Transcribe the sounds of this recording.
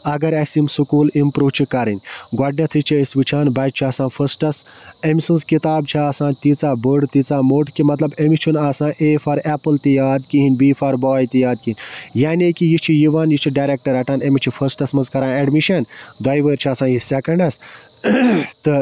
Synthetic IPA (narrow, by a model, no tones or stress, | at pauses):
ɐɡɐɾɐsimsɨkuːlimpɾuːʋt͡ʃʰikɐɾɨnʲɡaːɖnɐt̪ʰɨt͡ʃʰiɐsʲʋɨt͡ʃʰaːnbɐt͡ʃʰiaːsãːfʰɐsʈɐs | emisɨnskit̪aːbt͡ʃʰiaːsãːnt̪it͡saːbəɖt̪it͡saːmoːʈkimɐt̪lɐbemit͡ʃʰunaːsãːʔeːfɐɾɛpɨlt̪ijaːd̪kiɦinʲbiːfʰɐɾbaːjt̪ijaːd̪̚kiinʲjaːnekijit͡ʃʰijiʋaːnjit͡ʃʰiɖaːɾek̚ʈɐɾɐʈaːnemit͡ʃʰifʰɐsʈɐsmɐnzkɐɾãːneɖmiʃɐn | d̪aːjʋəːɾt͡ʃʰiaːsãːjisekɐɳɖɐs | t̪ɨ